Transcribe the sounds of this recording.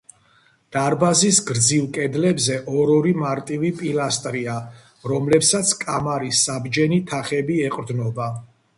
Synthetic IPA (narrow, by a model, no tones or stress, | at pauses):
d̪̥aɾbazisɡɾd̪zivkʼɛd̪lɛbzɛʔɔɾɔɾimaɾt̪ʼivipʼilast̪ʼɾia | ɾɔmlɛpsat̪sʰkʼamaɾisːabd͡ʒɛnit̪ʰaχɛbiɛqʼɾd̪nɔba